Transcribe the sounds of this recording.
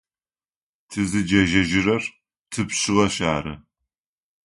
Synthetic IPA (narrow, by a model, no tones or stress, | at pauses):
tʰɨzɨd͡ʒɐʒɐʒɪrɐr | tʰɨpɕɪʁɐɕaːɾɐ̰